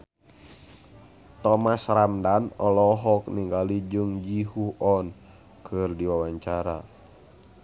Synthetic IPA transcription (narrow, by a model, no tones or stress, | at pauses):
t̪ɔmasramdanɔlɔɦɔk̚niŋɡalid͡ʒɨŋd͡ʒiɦuɔn | kʰɨrdiwawaɲt͡ʃaɾa̰